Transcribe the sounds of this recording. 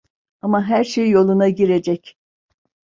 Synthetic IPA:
amaɦæɾʃejːo̞lˠunaɟiɾe̞d͡ʒɛc

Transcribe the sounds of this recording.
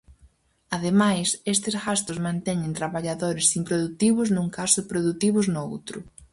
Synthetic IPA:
aðemajsest̪ɪzɣast̪ʊzmãnt̪ɛɲɪ̃nt̪ɾaβaʎaðoɾɪsimpɾoðut̪iβʊznuŋkasʊpɾoðut̪iβʊznʊo̰wt̪ɾʊ̰

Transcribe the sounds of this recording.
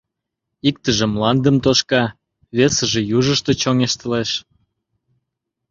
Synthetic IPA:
ik̚t̪əʒĕmlɑnd̪əmt̪oʃkɑ | βesə̆ʒĕjuʒəʃt̪et͡ɕoŋeʃt̪ə̆leʃ

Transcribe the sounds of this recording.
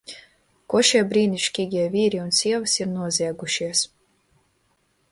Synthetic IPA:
kuɔʃiɛbɾiːnʲiʃkʲiːɡʲiɛvʲiːɾiunsʲiɛvɨsiɾnuɔzʲiɛɡuʃiɛs

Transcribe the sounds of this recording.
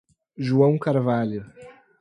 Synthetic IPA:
ʒuɐ̃w̃kaɾvalʊ

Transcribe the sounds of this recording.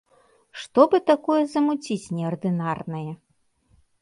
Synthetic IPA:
ʂt̪ɔbɨt̪akɔjɛzɐmut͡sʲit͡sʲnʲɛɐrd̪ɨnarnɐjɛ

